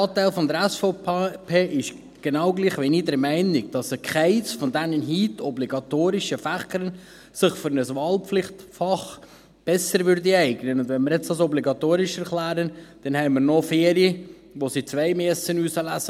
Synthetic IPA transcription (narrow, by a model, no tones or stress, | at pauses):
ɑːtæɪlfɔnd̪əɾɛsfɔpʰeːʔɪʃ | ɡ̥enɑwɡliːχʋinidɛɾmɛɪnɪɡ̚d̥ɑsəkχɛɪsfɔndɛnənɦiːtɔbliɡ̥ɑt̪oːɾɪʃəfæχəɾən | sɪχfʏɾnəsʋɑːlpflɪχtfɑχ | b̥ɛsəɾʋʏɾdiɛɪɡnənʊndʋɛnmɪɾjɛt͡sɑsɔbliɡɑt̪oːɾɪʃɛɾklæːɾənd̥ɛnhɛɪməɾnɔfeːɾijə | ʋosit͡sʋæɪmɛsənuːsəlæsə